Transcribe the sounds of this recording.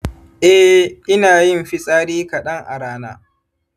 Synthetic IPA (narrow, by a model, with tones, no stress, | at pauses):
ʔɛ˦hʔɪ˦naː˨jɪ˦mɸi˦sʼaː˦ɽiː˦kɐ˨ɗɐ˦ŋʔa̰˨ɾaː˦na̰ː˦